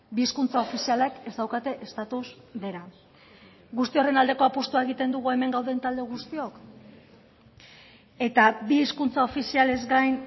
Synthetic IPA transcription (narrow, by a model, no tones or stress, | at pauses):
biːskunt͡sao̞fisialake̞zd̪awkat̪e̞ʔest̪at̪uz | de̞ɾa | ɡust̪io̞re̞nald̪e̞ko̞apost̪uaeɣ̞it̪e̞nd̪uɣue̞me̞ŋɡawðe̞nt̪ald̪e̞ɣust̪io̞k | e̞t̪abiːskunt͡sao̞fisiale̞zɡajn